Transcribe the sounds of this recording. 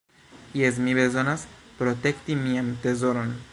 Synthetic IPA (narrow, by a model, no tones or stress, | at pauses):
iezmiβezonaspɾot̪ekt̪imiamt̪ezoɾon